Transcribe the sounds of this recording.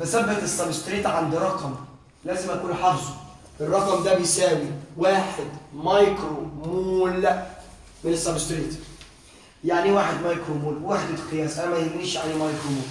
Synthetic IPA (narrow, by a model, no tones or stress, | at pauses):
bæsæbːæt̪esːæbst̪ɾiːt̪ʕand̪iɾˤɑqɑm | læːzɪmʔækuːnħɑɾzˤo | ʔerˤːɑqɑmd̪æbejsæːwiwaːħed̪mɑjkɾomuːl | mɪnesːæbst̪ɾiːt̪ | jaʕniwaːħed̪mɑjkɾomuːlwwaːħed̪et̪qejæːsʔænæmæjeɡiniːʃʕalimɑjkɾomuːl